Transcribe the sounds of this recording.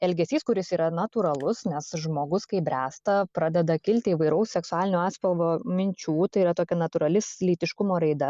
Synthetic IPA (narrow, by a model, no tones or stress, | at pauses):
ɛlʲɡʲɛsʲiːskʊɾʲɪsiːɾɐnɐt̪uːɾɐlˠʊsnʲɛsʒmoːɡʊskɐɪbʲɾʲæːst̪ɐpɾɑːd̪ʲɛd̪ɐkʲɪlʲt̪ʲɪiːʋɐɪɾɐʊssʲɛksʊaːlʲɪnʲuɑːsʲpʲɐlˠʋoːmʲɪnʲt͡ʃʲuːt̪ɐɪiːɾɐt̪oːkʲɛnɐt̪uːɾɐlʲɪslʲiːt̪ʲɪʃkʊmoːɾɐɪd̪ɐ